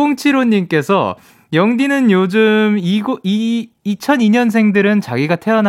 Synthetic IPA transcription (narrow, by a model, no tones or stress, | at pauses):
oŋt͡ɕʰiɾoɲːimk͈e̞sʰʌ̰ | jʌŋdinɯnjod͡ʑɯmiɡiː | t͡ɕʰʌniɲʌnsʰe̞ŋdɯɾɯnt͡ɕa̰ɡiɡatʰeʌn